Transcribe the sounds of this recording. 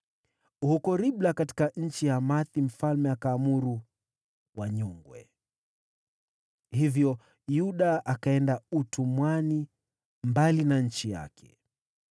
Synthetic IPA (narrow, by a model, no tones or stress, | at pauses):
hukɔɾiɓlakati̥kaɲ̩t͡ʃijamaθim̩falmɛakaːmuɾu | waɲɔŋɡwɛ̰ | hivjɔ | juɗaakaɛndautʰumwani | mbalinaɲ̩t͡ʃija̰kʰɛ̥